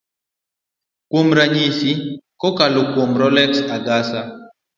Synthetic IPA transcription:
kwomɾaɲisikɔkalokwomɾɔlɛksaɡasa

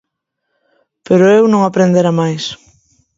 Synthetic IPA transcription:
peɾʊewnõŋapɾend̪eɾamajs

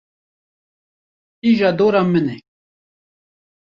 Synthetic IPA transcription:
iʒɑd̪oɾamənɛ

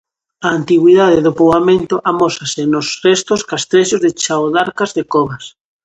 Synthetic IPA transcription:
aːnt̪iɣwiðað̞ɪðʊpowamẽnt̪ʊʔamɔsasɪnʊsrɛst̪oskast̪ɾeʃʊzðɪt͡ʃawðaɾkazðɪkɔβas

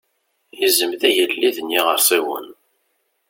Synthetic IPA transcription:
jəzəmðæjəlːiðənːiʁəɾsiwə̰n

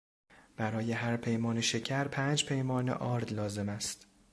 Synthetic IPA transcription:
b̥æɾɒːje̞ɦæɾpʰe̞jmɒːneʃe̞cʰæɾpʰæːnd͡ʒpʰe̞jmɒːnḛʔɒːɾd̪lɒːze̞mæst̪

